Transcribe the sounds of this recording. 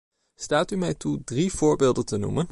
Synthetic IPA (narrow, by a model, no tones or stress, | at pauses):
staːtymɛjtudriv̥ʊːɹbɪːlˠdəntənṵmən